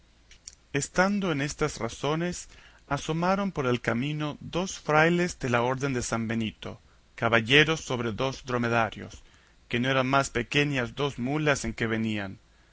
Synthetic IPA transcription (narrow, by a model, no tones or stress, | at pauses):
est̪and̪oenest̪asrasones | aso̞maɾo̞mpoɾelkamĩnoðo̞sfɾajlezd̪elaoɾðe̞nd̪esambenit̪o̰ | kaβaʎeɾosːo̞βɾeðo̞zd̪ɾomeðaɾjo̰s | kenoeɾanmaspekeɲazd̪o̞zmulaseŋkeβ̞enian